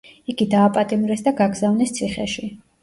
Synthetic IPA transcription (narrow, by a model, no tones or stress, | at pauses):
iɡid̪aːpʼat̪ʼimɾɛsd̪aɡaɡzavnɛst̪sʰiχɛ̰ʃi